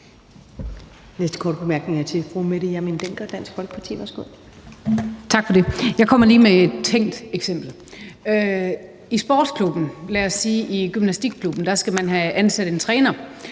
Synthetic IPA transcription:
nesd̥ə̥kʰɒ̰ːd̥əb̥emæɐɡ̥ne̝ŋæɐt͡sʰe̝fʁumeɾ̥jæmind̥eŋ̰ɡ̥ɐɒd̥æn̰sɡ̥fɒ̽lɡ̥əpʰɑ̈t͡sʰḭːʋæɐsɡ̥o̝ð̰ˠ | t͡sʰɑ̈ɡ̥fɒde̝jɑɪkʰɒ̽m̰ɐliːmee̝d̥t͡sʰeŋ̰d̥eɡ̥sem̰b̥l̩ | ø | isb̥ɒ̰ːd̥skʰlub̥n̩læɐsːiːʔiɡ̥ymnæsd̥iɡ̥̚kʰlub̥n̩d̥ɑ̈sɡ̥æmænɦæænsæɾ̥e̝nt͡sʰʁɛːnɐ

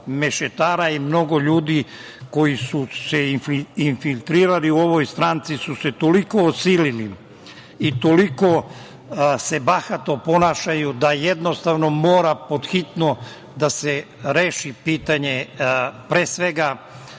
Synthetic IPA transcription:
meʃet̪aːɾaimno̞ɡo̞ʎuːd̪i | ko̞jisuseinfilʲt̪ɾiːɾaliuo̞ʋo̞jst̪ɾaːnt̪sisuse̞t̪o̞liko̞ːsiːlili | it̪o̞liko̞ | se̞baxat̪opo̞naːʃajud̪aje̞d̪no̞st̪aʋno̞mo̞ːɾapo̞d̪xit̪no̞ | d̪aseɾeːʃipiːt̪aɲe̞pɾe̞ːsʋe̞ɡa

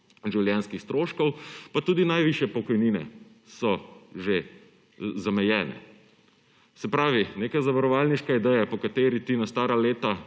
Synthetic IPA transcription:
ʒiwljɛnskixst̪ɾoːʃkɔwpat̪uːd̪inajʋiʃjɛpɔkɔjniːnɛ̰ | sɔʒe | zamɛjɛːnɛ̰ | sɛpɾaːʋineːkazaʋaɾɔʋaːlniʃkaid̪ɛjapɔkat̪eːɾit̪inast̪aːɾaleːt̪a

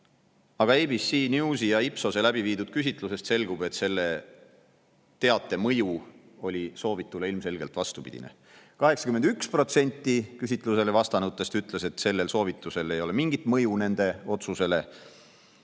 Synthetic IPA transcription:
ɑɡ̥ɑejbisːiːnjuusijɑipso̞se̞læbiviːd̪ud̪̥̚kysʲit̪ˑluse̞st̪se̞lɡ̥ube̞t̪se̞lːe̞ | t̪e̞ɑt̪ːˑe̞mɤ̞ju | o̞lʲiso̞ːvit̪ːˑule̞ilmse̞lɡe̞lt̪vɑst̪upḭd̪̥ḭnḛ | kɑɦe̞ksɑ̥kymend̪ykspro̞t̪se̞nʲt̪ːˑikysʲit̪ːˑluse̞le̞vɑst̪ɑnut̪ːˑest̪yt̪ːˑlese̞t̪se̞lːe̞lso̞ːvit̪ːˑuse̞le̞jo̞le̞miŋɡ̥it̪ˑmɤjune̞nd̪̥e̞o̞t̪suse̞le̞

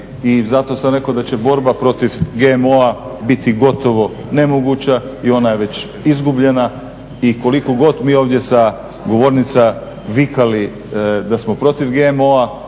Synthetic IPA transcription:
izat̪o̞samɾe̞kod̪at͡ɕe̞bo̞ɾbapɾo̞t̪iʋɡemo̞a | bit̪iɡo̞t̪o̞ʋo̞ | ne̞moɡuːt͡ɕaio̞naje̞ʋe̞t͡ɕ | izɡubʎe̞na | iko̞likoɡo̞t̪miːo̞ːʋd̪je̞sa | ɡo̞ʋo̞ɾnit̪sa | ʋikali | d̪asmo̞pɾo̞t̪iʋɡemo̞a

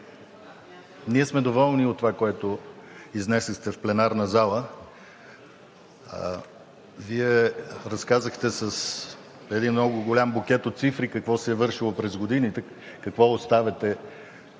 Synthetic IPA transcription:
niɛsmɛd̪ovɔlˠniot̪ːovakoɛt̪ʊiznɛsəxt̪ɛfplɛnaɾnəzalˠə | viɛɾɐskazəxt̪ɛsəs | ɛd̪inmnɔɡʊɡolʲambok̟ʲɛt̪ot̪t̪sifɾikəkvɔsɛːvɤɾʃilˠopɾɛzɡod̪init̪ɛ | kɐkvɔost̪avɛt̪ɛ

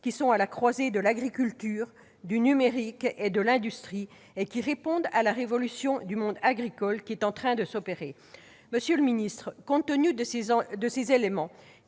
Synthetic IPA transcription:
kʲisɔ̃alakχwazed̪əlaɡʁikʲylt̪yːʁ | d̪ynymeʁiked̪əlɛ̃d̪yst̪χi | ekʲiʁepɔ̃d̪alaʁevɔlysjɔ̃d̪ymɔ̃d̪aɡʁikɔlkʲiɛt̪ɑ̃t̪χɛ̃d̪əsɔpeʁe | məsjøləminist̪χəkɔ̃t̪ənyd̪əsezelemɑ̃

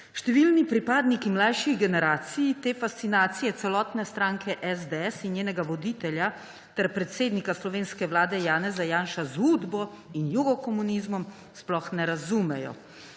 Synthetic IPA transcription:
ʃt̪ɛʋilnipɾipaːd̪nikimlajʃiɣɡɛnɛɾaːt̪sijit̪eːfast̪sinaːt̪sijɛt̪sɛlɔːt̪nɛst̪ɾaːŋkʰɛʔɛzd̪eɛsinjeːnɛɡaʋɔd̪iːt̪ɛlʲja | t̪ɛɾpɾɛt̪seːd̪nikaslɔʋeːnskɛʋlaːd̪ɛjaːnɛzajaːnʃazud̪bɔ | injuɡɔkɔmunizmɔm | splɔxnɛɾazumɛjɔ̰

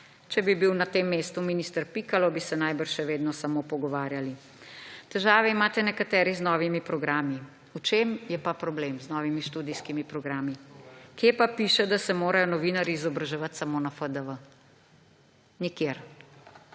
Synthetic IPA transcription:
t͡ʃɛbibiwnat̪eːmːeːst̪uminist̪əɾpikalɔbisɛnajbəɾʃɛʋeːd̪nɔsamopɔɡɔʋaːɾjali | t̪ɛʒaːʋɛimaːt̪ɛnɛkat̪ɛːɾiznɔːʋimipɾɔɡɾaːmi | ut͡ʃeːmjɛpapɾɔblemznɔːʋimiʃt̪uːd̪ijskimipɾɔɡɾaːmikjeːpapiːʃɛd̪asɛmoːɾajɔnɔʋiːnaɾiːzɔbɾaʒɛʋat̪samonafəd̪əʋə | nikjeːɾ

